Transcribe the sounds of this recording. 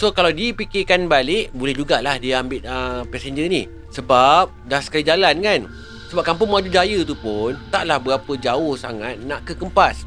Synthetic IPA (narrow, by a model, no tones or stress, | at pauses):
sokalawdipikɪkanbalɪʔbolɛhd͡ʒuɡalahdiəambɪt̪̚əpɛsɛɲd͡ʒənih | səbap̚dahsə̥kalid͡ʒalankan | səbap̚kampʊŋmad͡ʒudajət̪upʊnt̪aʔlahbəɾapəd͡ʒaʊhsa̰ŋat̪̚naʔkəkəmpas